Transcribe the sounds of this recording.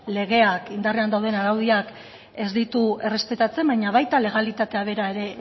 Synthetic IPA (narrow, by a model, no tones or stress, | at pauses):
le̞ɣe̞akind̪ariand̪awðe̞naɾawðiak | e̞zd̪it̪ue̞re̞spe̞t̪at͡se̞mbaɲaβajt̪ale̞ɣ̞alit̪at̪e̞aβ̞e̞ɾae̞ɾe̞